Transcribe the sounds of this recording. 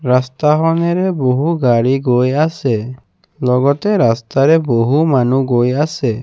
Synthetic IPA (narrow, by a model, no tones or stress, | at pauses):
ɾast̪aɦɔnɛɾɛboɦuɡaɽiɡojasɛ | lɔɡɔt̪ɛɾast̪aɾɛboɦumanuɡojasɛ